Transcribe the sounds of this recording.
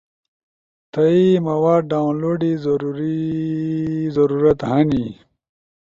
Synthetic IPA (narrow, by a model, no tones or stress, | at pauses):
t̪ɐimɐwaːɖ̚ɖaːwnloːɖizɐɾuɾi | zɐɾuːɾɐt̪hɐni